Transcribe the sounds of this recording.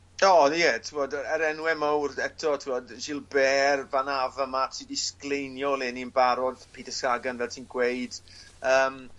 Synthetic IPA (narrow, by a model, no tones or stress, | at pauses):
ɔːjɛtʰivɔdəəɾɛnwɛmowrɛtʰɔtʰiɔdʒɪlˠbɛːrvanavəmatʰidisklejnjɔlˠɪniənbaɾɔðpʰiːdəsaɡanvɛlˠtʰiːnɡwejd̥əːm